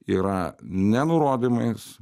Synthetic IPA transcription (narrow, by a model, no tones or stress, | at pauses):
iːɾɐnʲɛnʊɾoːd̪ʲimɐɪs